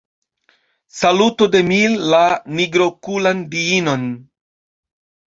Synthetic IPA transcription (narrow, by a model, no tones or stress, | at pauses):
salutode̞milːaniɡɾo̞kulandiino̞n